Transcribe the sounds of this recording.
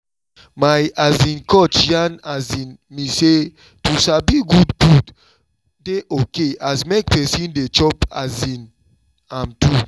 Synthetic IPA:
majazĩnkɔt͡ʃjãnazĩnmise | tusabiɡudɡud | deʔokeʔazmek̚pɛsĩndet͡ʃɔpa̰zĩn | ãmtu

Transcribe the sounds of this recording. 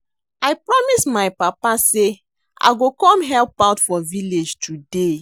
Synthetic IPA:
ajpɹɔmismaɪpapase | ʔa̰ɪɡokɔ̃mɦɛlpaʊtfɔviled͡ʒtʰude

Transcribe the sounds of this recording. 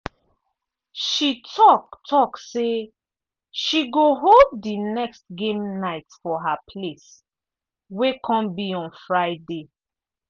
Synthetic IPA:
ʃitʰɔktʰɔkse | ʃiɡoɦolddinɛkstɡẽmnaɪtfɔɦapʰles | wekʰɔ̃mbiɔ̃nfɹaɪde

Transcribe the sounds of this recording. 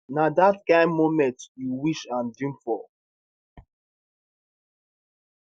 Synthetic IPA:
nadatkãɪ̃nmomɛ̃ntjuwiʃãndĩmfɔ

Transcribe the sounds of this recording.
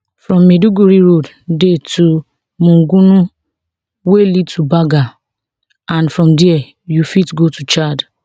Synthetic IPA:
fɾɔ̃mːeduɡuɾiɾod | detu | mũŋ̩ɡunu | welid̚tʰubaɡa | ãnfɾɔ̃mdiɛ | jufitɡotut͡ʃad

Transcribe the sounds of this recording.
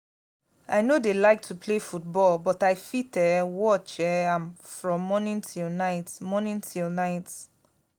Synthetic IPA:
a̰ɪnodelaɪk̚tʰupʰlefut̚bɔlbɔtaɪfitɛwɔt͡ʃɛãnfɹɔ̃mːɔnĩntʰilnaɪtmɔnĩntʰilnaɪt

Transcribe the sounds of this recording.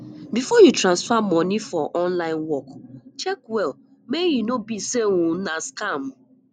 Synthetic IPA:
bifɔjutɾãnsfamɔnifɔʔɔnlaɪ̃nwɔkt͡ʃɛkwɛl | meɣinobiseŋʷunaskam

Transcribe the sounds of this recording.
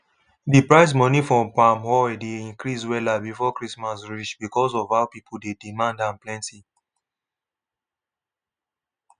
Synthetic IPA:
dipɹaɪs̬mɔnifɹɔ̃mpamhɔjdeĩŋkɹiswɛlabifɔkɹismasɹit͡ʃbikɔsɔvaʊpipʰudedimãndãmplɛ̃nti

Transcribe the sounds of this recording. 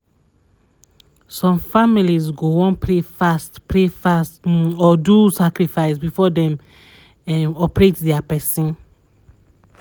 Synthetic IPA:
sɔ̃mfamilizɡoɔ̃npʰɹefastpɹefastɔdusakɹifaɪsbifɔdɛ̃m | ɛ̃nɔpɹetdɛapɛsĩn

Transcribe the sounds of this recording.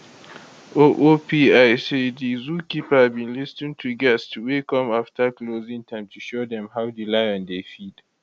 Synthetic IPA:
ʔoʔopiʔajsedizuːkʲipabinlɪstɪ̃ntʰuɡɛstuweːkɔmaftakloːzɪ̃ŋtʰaɪ̃mtuʃoːdɛmɦawdilajɔ̃ndefid̥

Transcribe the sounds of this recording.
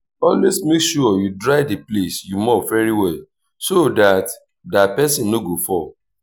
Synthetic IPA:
ɔlwesmekʃuɔjudɹaɪdiplesjumɔfɛɹiwɛ | sodat | dapɛsĩnnoɡofɔ

